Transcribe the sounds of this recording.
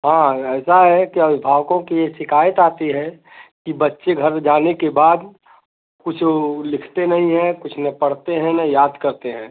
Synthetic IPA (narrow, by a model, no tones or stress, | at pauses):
ɦãːɛːsaɦɛkiɐbɪbʱaːʋkõkijeʃɪkaːjət̪aːt̪iɦɛ | kibɐtːʃeɡʱɐɾd͡ʒaːnekebaːd̪ | kʊt͡ʃʰlɪkʰt̪enɐɦĩɦɛ̃kʊt͡ʃʰnɐpɐɽt̪eɦɛ̃nɐjaːd̪kɐɾt̪eɦɛ̃ː